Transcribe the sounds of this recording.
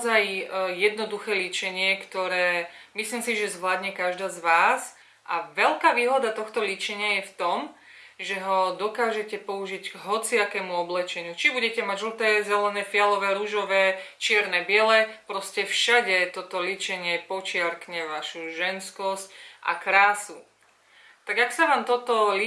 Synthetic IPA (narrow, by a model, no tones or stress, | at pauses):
zajjɛd̪nɔd̪uxɛːlit͡ʃɛɲɪɛkt̪ɔɾɛːmisliːmsiʒɛzʋlad̪ɲɛkaʒd̪aːzʋaːs | ʔa̰ʋɛlkaːʋiːɦɔd̪at̪ɔxt̪ɔlit͡ʃɛɲɪajɛft̪ɔm | ʒɛɦɔd̪ɔkaːʒɛcɛpɔuʒiɟɡɦɔt͡siakɛːmuɔblɛt͡ʃɛɲut͡ʃibuɟɛcɛmaɟʒl̩t̪ɛːzɛlɛnɛːfɪalɔʋɛːɾuʒɔʋɛːt͡ʃɪɛɾnɛbɪɛlɛpɾɔscɛfʃaɟɛt̪ɔt̪ɔlit͡ʃɛɲɪɛpɔt͡ʃɪaɾkɲɛʋaʃuʒɛnskɔscʔa̰kɾaːsu | t̪aɡaksaʋaːmt̪ɔt̪ɔl